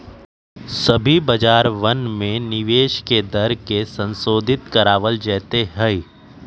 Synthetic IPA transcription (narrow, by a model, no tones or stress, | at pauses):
sɐbʱibɐd͡ʒaːɾʋɐnmẽnɪʋeːʃked̪ɐɾkesə̃nsoːd̪ʱɪt̪kɐɾaːʋəld͡ʒɛːt̪eɦɛi